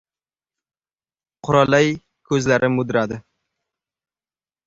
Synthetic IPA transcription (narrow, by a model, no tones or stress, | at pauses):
qʰʊɾalaj | kʰɵzlaɾʔɪmʊd̪ɾad̪ɪ